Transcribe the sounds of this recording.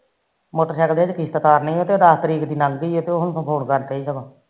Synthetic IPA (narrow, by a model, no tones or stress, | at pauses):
moːʈəɾʃɛkd̪eːd͡ʒkɪst̪ət̪aːɾnəĩːoːt̪eːd̪aːst̪əɾiːkd̪iːnaːlɡəiːot̪eːoɦʊnsõpʰoːnkəɾt̪eːɦiːsəɡãː